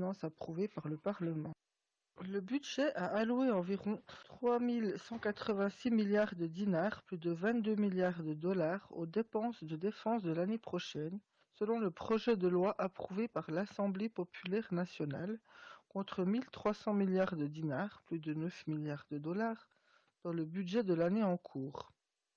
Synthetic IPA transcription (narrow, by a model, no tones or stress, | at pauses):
nɑ̃sapχuvepaʁləpaʁləmɑ̃ | ləbyd̪ʒɛʔaʔalueɑ̃viʁɔ̃t̪χwamilsɑ̃kat̪χəvɛ̃similjaʁd̪əd̪inaʁplyd̪əvɛ̃t̪̚d̪ømiljaʁd̪əd̪ɔlaːʁo̰d̪epɑ̃sd̪əd̪efɑ̃sd̪əlanepχɔʃɛn | səlɔ̃ləpχɔʒɛd̪əlwaʔapχuvepaʁlasɑ̃blepɔpʰylɛʁnasjɔna̰lkɔ̃t̪χəmilt̪χwasɑ̃miljaʁd̪əd̪inaʁplyd̪ənəfmiljaʁd̪əd̪ɔlaːʁ | d̪̥ɑ̃ləbyd̪ʒɛd̪əlaneɑ̃kʰuːʁ